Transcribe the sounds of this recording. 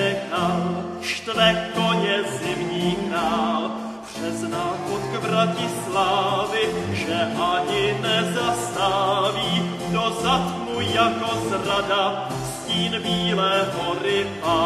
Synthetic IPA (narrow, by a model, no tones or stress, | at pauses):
ɛkaːl | ʃt̪vɛkoɲɛzɪmɲiːkɾaːl | pr̥ɛznaːxot̪kvɾacɪslaːvɪʒɛʔaɲɪnɛzast̪aːviː | dozat̪mujjakozrada | sciːnbiːlɛːɦoɾɪʔa